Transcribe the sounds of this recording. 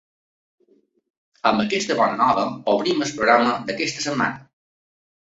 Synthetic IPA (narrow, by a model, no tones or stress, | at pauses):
əmbəkɛst̪əβɔnənɔβəoβɾiməspɾoɣɾaməd̪əkɛst̪əsəmːa̰nə